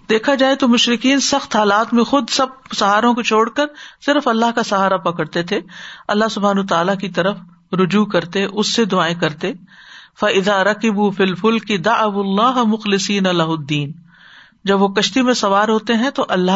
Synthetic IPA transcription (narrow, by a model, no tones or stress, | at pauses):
d̪eːkʰad͡ʒaːet̪omʊʃɾɪkiːnsɐxt̪ɦaːlaːt̪mẽxʊd̪sɐb̚sɐɦaːɾõkot͡ʃʰoːɽkɐɾsɪɾfɐlːaɦkasɐɦaːɾapɐkəɽt̪et̪ʰeɐlːaɦsʊbʱaːnwət̪aːlakit̪ɐɾəf | ɾʊd͡ʒuːkɐɾt̪eʔʊsːed̪ʊaːekɐɾt̪e | fɐɪðaːɾɐkɪbuːfilfʊlkɪd̪ɐʕɐwlːaːɦmʊxlɪsiːnɐlɐɦʊd̪ːiːn | d͡ʒɐbʋokɐʃt̪imẽsɐʋaːɾɦoːt̪eɦɛ̃t̪oʔɐlːa